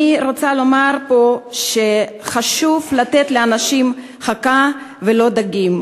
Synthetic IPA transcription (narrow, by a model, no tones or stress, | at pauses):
iʁo̞t͡salo̞maʁpo̞ʃeχaʃuvlat̪et̪leanaʃim | χaka | velo̞d̪aɡim